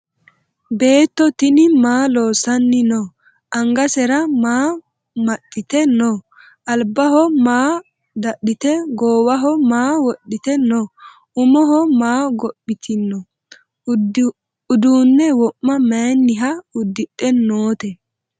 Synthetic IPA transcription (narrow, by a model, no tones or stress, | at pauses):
be̞ːt̪ːɔt̪ɪnɪmaːlo̞ːsɐnːɪno | ʔɐŋɡɐsɛɾɐmaː | mɐtʼːɪt̪ɛnɔ | ʔɐlbɐɦɔmaː | d̪ɐɗɪt̪ɛɡoːwɐɦɔmaːwɔɗɪt̪ɛnɔ | ʊmɔɦɔmaːɡɔpːɪt̪ʰɪnːɔ | ʊd̪uːnːɛwɔʔːɐmɛjnːɪɦɐʊd̪ːɪtːɛnːoːt̪ɛ